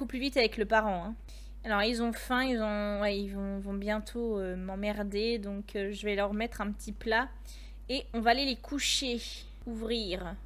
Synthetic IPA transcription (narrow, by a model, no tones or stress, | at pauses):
bokuplyvit̪avɛkləpaʁɑ̃ɛ̃ | alɔʁilzɔ̃fɛ̃ilzɔ̃wɛilvɔ̃vɔ̃bjɛ̃t̪ʰoømɑ̃mɛʁd̪ed̪ɔ̃kʰøʒəvɛlœʁmɛt̪χɛ̃pət̪ʰipla | eɔ̃vaːlelekʰuʃe | uvʁiːʁ